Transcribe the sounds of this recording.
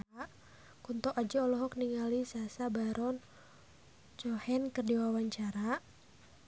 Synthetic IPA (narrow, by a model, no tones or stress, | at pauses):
a | kunt̪ɔʔad͡ʒaɔlɔɦɔkniŋalisasabaɾɔn | t͡ʃɔhɛnkərdiwawaɲt͡ʃaɾa